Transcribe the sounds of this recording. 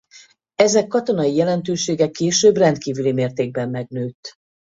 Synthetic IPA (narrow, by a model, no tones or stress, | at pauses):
ɛzɛkːɒt̪o̞nɒjijɛlɛnt̪øːʃeːɡɛkːeːʃøːbrɛnt̪kiːvylimeːrt̪eːɡ̚bɛmːɛɡnøːt̪